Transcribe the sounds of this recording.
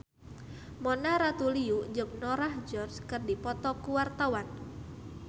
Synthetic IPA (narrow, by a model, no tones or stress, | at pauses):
mɔnaɾat̪uliud͡ʒʊŋ̚nɔɾahd͡ʒɔrskɨrdipɔt̪ɔkuwart̪awan